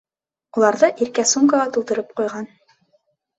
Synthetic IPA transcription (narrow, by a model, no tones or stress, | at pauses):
ulˠɑɾðɤʔiɾkæsuŋkɑʁɑt̪ulˠt̪ɤ̆ɾɤp̚qujʁɑn